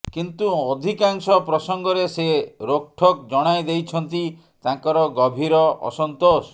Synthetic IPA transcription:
kint̪uɔd̪ʱikaŋsɔpɾɔsɔŋɡɔɾeseɾok̚ʈʰɔk̚d͡ʒɔɽ̃ajd̪ejt͡ʃʰɔnt̪i | t̪aŋkɔɾɔɡɔbʱiɾɔʔɔ̰sɔnt̪os

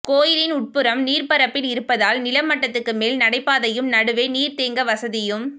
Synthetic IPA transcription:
koːjɪlɪnʊʈ̚pɯɾɐmniːɾpɐɾɐpːɪlɪɾɯpːɐðaːlnɪlɐmːɐʈːɐt̪ːɯkːɯmeːlnɐɽɐɪpːaːðɐjɯmnɐɽɯʋeːniːɾt̪eːŋɡɐʋɐsɐðɪjɯm

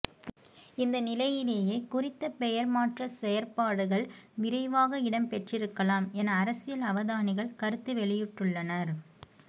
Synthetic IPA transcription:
ɪnd̪ɐnɪlɐjɪleːjeːkʊrɪt̪ːɐpɛjɐɾmaːʈrɐsɛjɐɾpaːɽɯɣɐɭʋɪɾɐɪʋaːɣɐɪɽɐmpɛʈrɪɾɯkːɐlaːmɛnɐːɾɐsɪjɐlɐʋɐðaːnɪɣɐɭkɐɾɯt̪ːɯʋɛɭɪjɪʈːɯɭːɐnɐɾ

